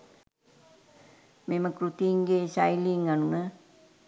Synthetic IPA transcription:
meməkɾut̪iŋɡeːsajliŋanunə

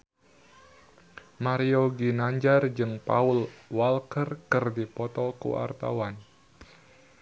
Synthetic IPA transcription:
maɾioɡinaɲd͡ʒard͡ʒɨŋpaulwalkərkɨrdipɔt̪ɔkṵa̰rt̪a̰wan

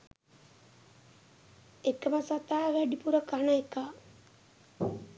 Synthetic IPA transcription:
ekəməsat̪aːʋæɖipuɾəkanəeka

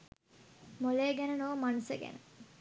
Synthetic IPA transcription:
moleːɡænənoʋmanusə̰ɡæ̰nə

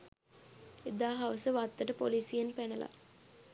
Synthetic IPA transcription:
ed̪aːɦaʋəsəʋat̪ːəʈəpoliːsijenpænəla̰

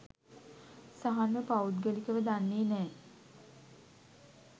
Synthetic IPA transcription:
saɦanʋəpaud̪̚ɡəlikəʋəd̪anːeːnɛː

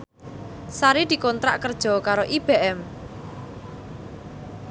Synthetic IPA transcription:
saɾid̪̥i̤kɔnt̪ɾa̰ʔkərd̥ʒ̥ɔ̤kaɾoʔib̥eʔɛm

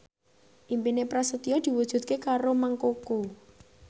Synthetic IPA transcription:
ʔimpinepɾasət̪iɔd̪̥i̤wud̥ʒ̥ṳd̪̚kekaɾomaŋkoko

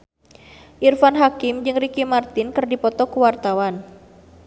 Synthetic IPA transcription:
ʔirfanɦakɪmd͡ʒɨŋrikimart̪ɪnkɨrdipɔt̪ɔkuwart̪awan

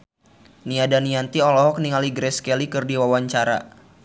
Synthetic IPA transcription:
niadaniant̪iɔlɔɦɔk̚niŋaliɡɾɛskɛlikɨrdiwawaɲt͡ʃaɾa̰

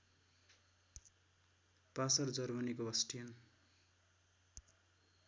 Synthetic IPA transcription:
pasʌrd͡zʌrmʌnikoʌsʈijʌn

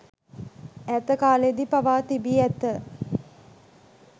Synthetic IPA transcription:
æt̪əkaːled̪ipaʋaːt̪ibiæt̪ə

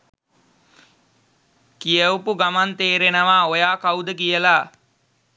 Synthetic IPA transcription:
kijəwpuɡamant̪eːɾenəʋaːojaːkawd̪əkijəla

